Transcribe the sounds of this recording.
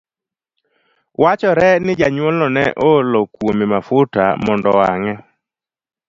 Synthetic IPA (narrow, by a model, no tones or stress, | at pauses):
wat͡ʃɔɾɛnɪd͡ʒaɲwɔlɔnɛ̰ʔolɔkwomɪmafʊta̰mɔndɔaŋɛ